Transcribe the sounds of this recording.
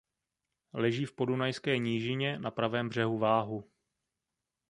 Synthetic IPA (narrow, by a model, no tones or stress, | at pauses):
lɛʒiːfpo̞dunajskɛːɲiːʒɪɲɛnapɾavɛːmbr̝ɛɦuvaːɦu